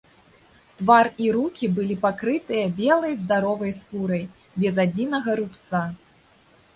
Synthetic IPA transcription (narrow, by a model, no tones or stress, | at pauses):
t̪variɾukʲibɨlʲipakɾɨt̪ɨjɐbʲɛlˠɐjzd̪aɾɔvɐjskuɾɐj | bʲɛzad͡zʲinɐɣɐɾupt̪sa